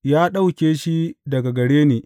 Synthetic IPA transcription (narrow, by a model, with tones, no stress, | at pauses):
jaː˦ɗa˦wkʲeː˨ʃi˦dɐ˨ɡa˨ɡɐ˨ɽeː˦neː˨